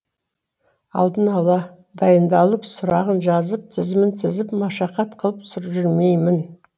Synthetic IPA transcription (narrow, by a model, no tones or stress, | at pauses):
ɑ̰lˠd̪ənɑlˠɑ | d̪ɑjənd̪ɑlˠəpsʊɾɑʁənʒɑzəp̚t̪ʰɪzmɪnt̪ʰɪzɪpmɑʃɑqɑt̪qʰəlˠəpsʊɾʒʏɾmejmɪn